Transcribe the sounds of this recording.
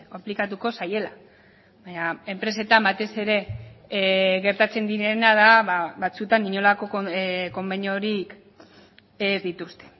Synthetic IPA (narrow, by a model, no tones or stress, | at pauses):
oplikat̪uko̞saje̞la | βaɲae̞mpɾe̞s̬e̞t̪ambat̪e̞se̞ɾe̞ | ɣe̞ɾt̪at͡se̞nd̪iɾe̞naðaβaβat͡sut̪aniɲo̞lako̞koko̞mbeɲoɾik | ezðit̪ust̪e̞̥